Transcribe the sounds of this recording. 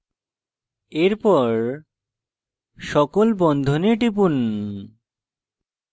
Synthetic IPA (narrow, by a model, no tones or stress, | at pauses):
eɾpɔɾ | ʃɔkolbɔnd̪ʱoneʈip̬un